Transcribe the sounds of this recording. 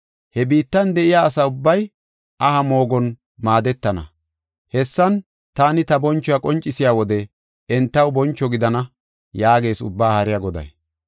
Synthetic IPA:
hɛbiːt̪ːɐnd̪ɛʔɪjaːsɐʊbːɐj | ʔɐhɐmo̞ːɡɔn | maːd̪ɛt̪ːɐnɐ̰ | hɛsːɐn | t̪aːnɪt̪ɐbɔnt͡ʃːɔjakʼɔnt͡ʃʼːɪsɪjaːwɔd̪ɛ | ɛnt̪ːɐwbɔnt͡ʃːɔɡɪd̪ɐnɐ | jaːɡe̞ːsʊ̰bːaːhɐɾɪjaɡɔd̪ɐ̰j

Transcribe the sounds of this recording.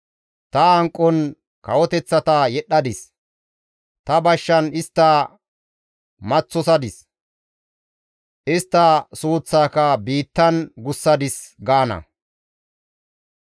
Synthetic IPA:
t̪ɐɐŋkʼːɔn | kɐwɔt̪ɛt͡sːɐt̪ɐjɛɗːɐd̪ɪs | t̪ɐbɐʃːɐnɪst̪ːɐ | mɐt͡sːɔsɐd̪ɪs | ʔɪst̪ːɐsuːt͡sːaːkɐbiːt̪ːɐnɡʊsːɐd̪ɪsɡaːnɐ̰

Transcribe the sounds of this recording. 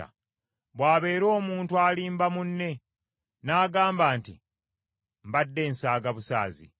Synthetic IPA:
a̰ | βwaːβe̞ːɾo̞ːmuːntualiːmbamunːe̞ | naːɡaːmbaːnti | mbadːe̞ːnsaːɡaβusa̰ːzḭ

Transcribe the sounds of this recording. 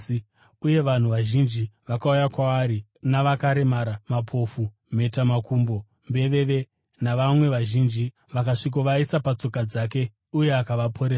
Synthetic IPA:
uje̞ʋan̤uʋaʒind͡ʒiʋakaujakwaːɾi | naʋakaɾemaɾamapʰo̞fu | me̞tamakuːmbo̞ | mbe̞ʋe̞ʋe̞ | naʋamwe̞ʋaʒind͡ʒi | ʋakaʂik̬oʋaisapat͡so̞kad͡zaːke̞ | uje̞akaʋapʰo̞ɾeːra

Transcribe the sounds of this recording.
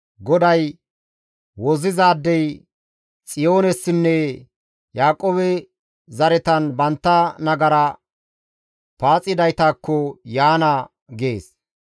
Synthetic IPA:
ɡɔd̪ɐj | wɔzɪzaːd̪ːɛj | t͡sʼɪjo̞ːnɛsːɪnːɛ | jaːkʼoːbɛ | zɐɾɛt̪ɐnbɐnt̪ːɐnɐɡɐɾɐ | paːt͡sʼːɪd̪ɐjt̪aːkːɔjaːnɐ | ɡeːs

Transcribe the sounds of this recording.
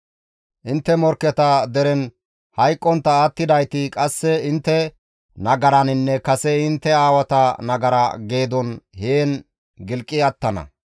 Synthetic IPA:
ʔɪnt̪ːɛmɔɾkːɛt̪ɐd̪ɛɾɛn | hɐjkʼːɔnt̪ːɐaːt̪ːɪd̪ɐjt̪ɪkʼɐsːɛɪnt̪ːɛ | nɐɡɐɾɐnɪnːɛkɐsɛɪnt̪ːɛaːwɐt̪ɐnɐɡɐɾɐɡe̞ːd̪ɔnheːn | ɡɪlkʼːɪɐt̪ːɐnɐ̰

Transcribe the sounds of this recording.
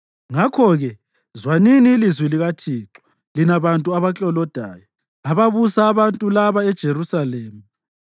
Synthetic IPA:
ŋakʰɔɣɛ | zwaniniːlizwiliɣatʰiːǁɔ̥ | linaβantʼuaβat͡ɬʼɔlɔd̥ʱa̰ːjɔ | aβaβusaːβantʼulaβaɛd̥ʒ̥ʱeɾusaleːmu

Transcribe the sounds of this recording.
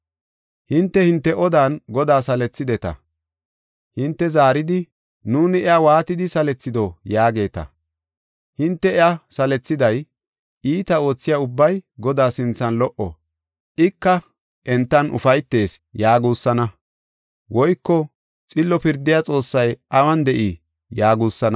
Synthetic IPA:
hɪnt̪ːɛhɪnt̪ːɛʔɔd̪aːnɡɔd̪aːsɐlɛt͡sːɪd̪ɛt̪ɐ̰ | hɪnt̪ːɛzaːɾɪd̪ɪ | nuːnɪɛawaːt̪ɪd̪ɪsɐlɛt͡sːɪd̪ɔjaːɡe̞ːt̪ɐ̰ | hɪnt̪ːɛɛasɐlɛt͡sːɪd̪ɐj | ʔiːt̪ɐo̞ːt͡sːɪjaʊbːɐjɡɔd̪aːsɪnt͡sːɐnlɔʔɔ̰ | ʔɪkːɐ | ʔɛnt̪ːɐnʔʊ̰fɐjt̪ːe̞ːsjaːɡuːsːɐnɐ | wɔjkːɔ | t͡sʼɪlːɔpɪɾd̪ɪjat͡sʼo̞ːsːɐjʔɐwɐnd̪ɛʔi | jaːɡuːsːɐnɐ

